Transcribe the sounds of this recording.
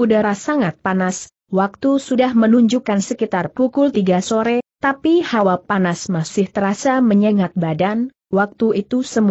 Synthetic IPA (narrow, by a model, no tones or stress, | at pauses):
udaɾasaŋat̪̚panas | wak̚t̪usudahmənuɲd͡ʒukansəkit̪arpukʊlt̪iɡasoɾɛt̪apihawapanasmasɪht̪əɾasaməɲəŋat̪̚badan | wak̚t̪uit̪usəmu